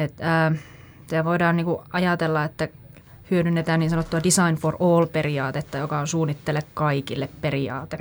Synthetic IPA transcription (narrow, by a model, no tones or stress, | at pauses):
et̪əː | sæʋoidɑːnniːŋkuʔɑjɑt̪elːɑet̪ːæ | hyødynːet̪æːniːnsɑnot̪ːuɑdisɑinforoːlperiɑːt̪et̪ːɑjokɑonsuːnːit̪ːelekkɑikilːepperiɑ̰ːt̪e